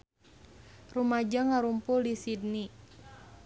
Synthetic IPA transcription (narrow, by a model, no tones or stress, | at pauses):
rumad͡ʒaŋaɾumpʊldisidni